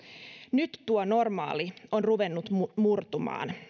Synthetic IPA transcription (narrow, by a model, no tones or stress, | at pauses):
nyt̪ːuono̞rmɑ̰ːlio̞nruʋenːut̪murt̪umɑ̰ːn